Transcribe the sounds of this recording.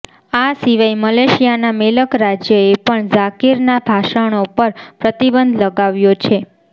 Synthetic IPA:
asiʋajməleʃijanameləkɾad͡ʒjəepəɳd͡ʒakiɾnabʱaʃəɳ̃opəɾpɾət̪ibənd̪ʱləɡaʋjot͡ʃʰe

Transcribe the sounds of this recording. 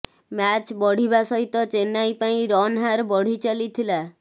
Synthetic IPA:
mat͡ʃbɔɽ̤ibasɔɦit̪ɔt͡ʃenːajpaĩɾɔnɦaɾbɔɽ̤it͡ʃalit̪ʰila

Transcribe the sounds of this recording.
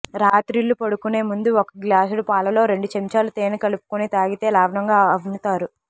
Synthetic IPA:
ɾaːt̪ɾilːupɐɽukune̞ːmund̪uɔkɐɡlaːsuɽupaːlɐlo̞ːɾe̞ɳɖut͡ʃemt͡ʃaːlut̪eːnikɐlupu̥kunit̪aːɡit̪e̞ːlaːʋnɐŋɡaːɐʋinut̪aːɾu

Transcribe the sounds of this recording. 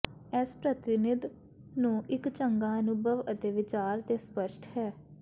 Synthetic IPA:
ɛːspɾət̪ɪnɪd̪ | nũːʔɪkt͡ʃəŋɡaːnũːbəʋət̪eːʋɪt͡ʃaːɾt̪eːspəʃʈhɛː

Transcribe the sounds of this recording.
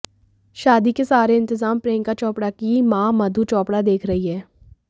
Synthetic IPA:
ʃaːd̪iːkesaːɾeːɪ̃nt̪əzaːmpɾẽːŋkaːt͡ʃɔːpɽaːkiːmãːməd̪ʱuːt͡ʃɔːpɽaːd̪eːkʰɾəiːɦɛː

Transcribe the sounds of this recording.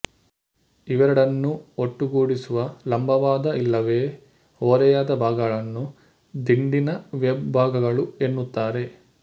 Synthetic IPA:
iʋɐɾɐɽɐnːuoʈːuɡuːɽisuʋɐlɐmbʱɐʋaːd̪ɐilːɐʋe̞ː | oːɾɛjaːd̪ɐbʱaːɡɐɐɭɐnːu | d̪iɳɖinɐʋjɐbʱaːɡɐɡɐɭue̞nːut̪ːaːɾe̞

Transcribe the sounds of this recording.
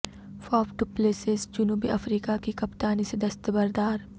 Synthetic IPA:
faːpʈupleːsɪzd͡ʒʊnuːbiʔɐfɾiːkakikɐpt̪aːnised̪ɐst̪əbɐɾd̪aːɾ

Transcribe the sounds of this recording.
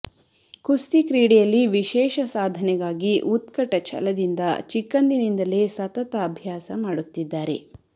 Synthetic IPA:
kust̪ikɾiːɽijɐlːiʋiʃɛːʃɐsaːd̪ʱɐnɛɡaːɡiʔut̪kɐʈɐt͡ʃʰɐ̰lɐd̪ind̪ɐt͡ʃikːɐnd̪inind̪ɐle̞sɐt̪ɐt̪ɐːbʱjaːsɐmaːɽut̪ːid̪ːaːɾe̞̰

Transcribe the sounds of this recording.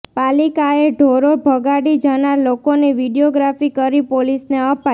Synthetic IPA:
palikaeɖʱoɾobʱəɡaɽid͡ʒənaɾlokoniʋiɽijoɡɾafikəɾipolisneəpa

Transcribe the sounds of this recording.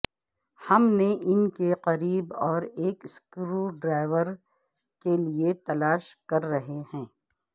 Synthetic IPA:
hɐmneʔɪnkeqɐɾiːbɔːɾeːkskɾuːɖɾaːɪʋəɾ | keliet̪ɐlaːʃkɐɾːɐɦehɛ̃ː

